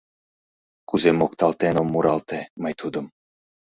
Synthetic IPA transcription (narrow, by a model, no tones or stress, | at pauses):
kuzemokt̪ɑlˠt̪enomːuɾɑlˠt̪emɤjt̪ʰud̪ɤ̆m